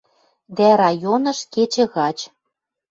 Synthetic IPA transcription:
d̪æɾɑjonɤ̆ʃket͡ɕə̆ɣɑt͡ɕ

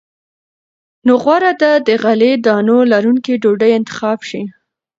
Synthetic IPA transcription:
noɣwaɾad̪ad̪əɣaled̪ɑnolaɾuŋkiɖoɖəjɪnt̪ɪ̥xɑbʃi

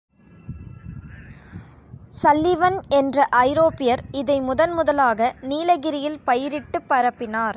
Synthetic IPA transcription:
sɐlːɪʋɐnɛndrɐʔɐɪɾoːpɪjɐɾɪðɐɪmʊðɐnmʊðɐlaːɣɐniːlɐɣɪɾɪjɪlpɐjɪɾɪʈːɯpːɐɾɐpːɪnaːɾ

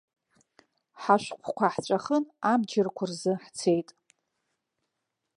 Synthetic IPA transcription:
ħaʃʷqʷʰkʷʰaħt͡ʃʷʼaχənamd͡ʒɪrkʷʰʊrzɨħt͡sʰe̞jtʼ

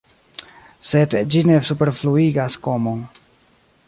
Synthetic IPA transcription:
se̞dd͡ʒine̞supe̞ɾfluiɡasko̞mon

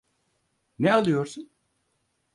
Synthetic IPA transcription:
nɛalˠɯjo̞ɾsun

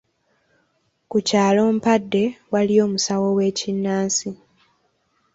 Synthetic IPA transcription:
kucaːlo̞ːmpadːe̞walio̞ːmusawo̞we̞ːcinːaːnsi

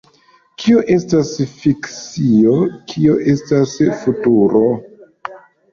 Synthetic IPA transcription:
kʰioʔe̞stasfikt͡sio̞kʰio̞ʔe̞stasfutuɾo̞

